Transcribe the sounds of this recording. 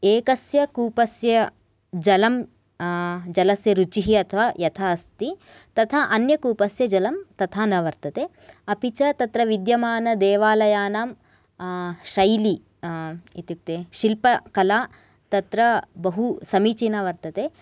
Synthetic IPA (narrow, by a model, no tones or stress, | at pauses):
eːkɐsjɐkuːpɐsjɐ | d͡ʒɐlɐm | d͡ʒɐlɐsjɐɾut͡ʃiɦiɐt̪ʰɐʋaːjɐt̪ʰaɐst̪i | t̪ɐt̪ʰaʔɐnjɐkuːpɐsjɐd͡ʒɐlɐmt̪ɐt̪ʰaːnɐʋɐɾt̪ɐt̪eː | ɐpit͡ʃɐt̪ɐt̪ɾɐʋid̪jɐmaːnɐd̪eːʋaːlɐjaːnaːm | ʃɐjli | it̪juk̚t̪eːʃilpɐkɐlaː | t̪ɐt̪ɾɐbɐɦusɐmiːt͡ʃinɐʋɐɾt̪ɐt̪eː